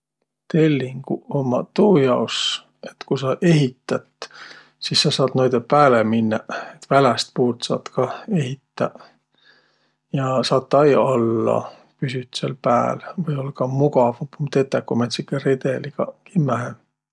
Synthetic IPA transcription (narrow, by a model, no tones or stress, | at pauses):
t̪e̞lʲːiŋɡ̥uomːɑt̪uːjɑos | e̞t̪kusɑʔe̞ɦit̪ːˑɑt̪ | sisːɑsɑːd̪̥nojd̪̥epæːleminːɑet̪ːvælest̪̚puːrt̪sɑ̰ːt̪kɑe̞ɦit̪ːɑ | jɑsɑːt̪ːɑjɑlːɑ̰ | pysyt̪selpæːlvɯjo̞lkɑmuɡɑvɑpumt̪e̞t̪ːekːomet̪sikːered̪̥eliɡ̥ɑkimæɦe